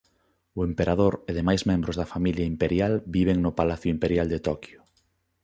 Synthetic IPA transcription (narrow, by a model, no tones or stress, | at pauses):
oempeɾað̞oɾeðemajzmẽmbɾozðɐfamiljaimpeɾjalbiβ̞eŋnopalaθjʊimpeɾjald̪et̪ɔkjo